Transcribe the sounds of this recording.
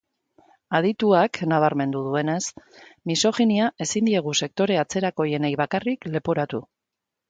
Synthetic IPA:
að̞it̪uaknaβ̞aɾme̞nd̪uðue̞ne̞smiso̞xiniae̞sind̪ie̞ɣ̞use̞k̚t̪o̞ɾe̞at͡se̞ɾako̞je̞nejβakarikle̞poɾat̪u

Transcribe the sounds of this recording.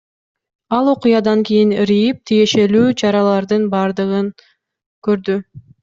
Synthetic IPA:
ɑlˠo̞qujɑd̪ɑŋkʲijinɾijip̚t̪ʰije̞ʃe̞lyːt͡ʃʰɑɾɑlˠɑɾd̪ɯnbɑɾd̪ɯʁɯn | kø̞ɾd̪y

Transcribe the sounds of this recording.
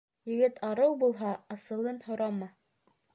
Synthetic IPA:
jɘ̆ɡɘt̪ʰɑɾɤwbulˠɦɑɑsɤ̆lˠɤnhŏɾɑmɤ

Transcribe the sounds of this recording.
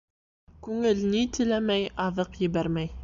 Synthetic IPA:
kʉŋɘlnit̪ɘ̆læmæjɑðɤqjɘ̆βæɾmæj

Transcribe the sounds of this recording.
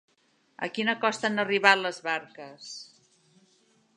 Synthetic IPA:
ə̰kinəkɔst̪anəriβaləzβaɾkəs

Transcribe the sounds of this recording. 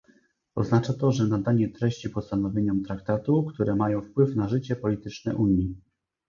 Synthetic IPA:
ɔ̰znat͡ʂat̪ɔʐɛnad̪aɲɛt̪ɾɛɕt͡ɕipɔst̪anɔvʲjeɲɔmt̪ɾak̚t̪at̪ukt̪uɾɛmajɔ̃w̃fpwɘfnaʐɘt͡ɕɛpɔlʲit̪ɘt͡ʂnɛʔuɲi

